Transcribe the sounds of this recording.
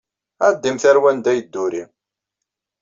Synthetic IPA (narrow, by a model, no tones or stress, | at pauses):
æd̪ːimθæɾwænd̪æjəd̪ːʊɾi